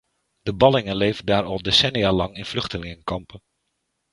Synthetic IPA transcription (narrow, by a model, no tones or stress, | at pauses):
d̥əbɑlɪŋənlejvəndaːɹɑlˠdesɛnijaːlɑŋɪnvlɵχtəlɪŋəŋkɑmpən